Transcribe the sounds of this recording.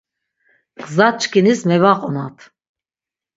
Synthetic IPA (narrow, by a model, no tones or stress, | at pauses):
qzat͡ʃʰʼkʰinismɛvaqʼɔnat̪ʰ